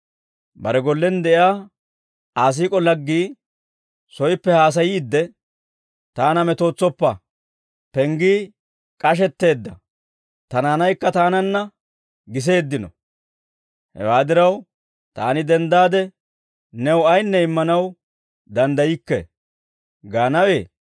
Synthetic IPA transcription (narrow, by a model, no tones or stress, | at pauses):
bɐ̰ɾɛɡɔlːɛnd̪ɛʔɪaː | aːs̬iːkʼɔlɐɡːiː | sɔjpːɛhaːs̬ɐjiːd̪ːɛ | t̪aːnɐmɛt̪o̞ːt͡sːɔpːɐ | pɛŋɡiː | kʼɐʃ̬ɛt̪ːe̞ːd̪ːɐ̰ | t̪ɐnaːnɐjkːɐt̪aːnɐnːɐ | ɡɪs̬e̞ːd̪ːɪnɔ̰ | hɛ̰waːd̪ɪɾɐw | t̪a̰ːnɪd̪ɛnd̪aːd̪ɛ | nɛwɐjnːɛɪmːɐnɐw | d̪ɐnd̪ɐjɪkːɛ̰ | ɡaːnɐwe̞ː